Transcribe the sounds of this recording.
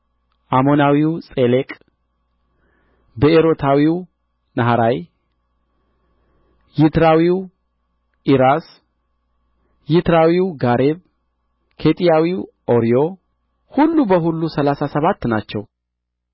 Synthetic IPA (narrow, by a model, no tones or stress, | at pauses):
ʔamo̞nawiwsʼelekʼ | beeɾo̞t̪ʰawiw | nəɦaɾaj | jɪt̪ɾawiw | ʔiɾas | jɪt̪ɾawiwɡaɾeβ | kʰet̪ʼijawiw | ʔo̞ɾijo̞ | hulːubəɦulːusəlasasəβat̪ːnat͡ʃːɛw